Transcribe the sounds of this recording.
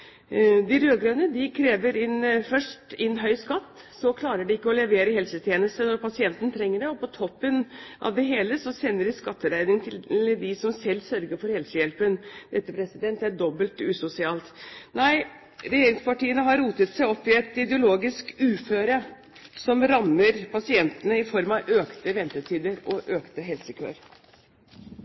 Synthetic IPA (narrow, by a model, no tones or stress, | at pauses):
d̪ɪɾøːɡɾønəd̪ɪkʰɾeːʋəɾɪnfœʂʈɪnɦœʏskɑt̪ː | sɔkʰlɑːɾəɖɪɪkːəɔlɛʋeːɾəhɛlsət̪ʰjeːnəst̪ənɔɾpʰɑsɪɛnt̪ənət̪ʰɾɛŋːəɖɛɔpɔt̪ʰɔpːənʔɑ̰ʋd̪ɛɦeːləsɔsɛnːəɖɪskɑt̪ːəɾæɪnɪŋt̪ʰɪd̪ɪsɔmsɛlːsœɾɡəɾfɔɾhɛlsəjɛlpənd̪̥ɛt̪ːəpʰɾɛsɪd̪ɛnt̪æɖɔbəlt̪ʉːsʊsɪɑːlt̪næɪ | ɾɛjeːɾɪŋspɑʈiːənəɦɑɾːuːt̪ət̪sæɪɔpːɪɛt̪ɪd̪ɛʊloːɡɪskʉːføːɾə | sɔmɾɑmːəɾpʰɑsɪɛnt̪ənəɪfɔɾmɑʋʔøːkt̪əʋɛnt̪ət̪ʰiːd̪əɾɔʔøːkt̪əɦɛlsəkʰø̰ːɾ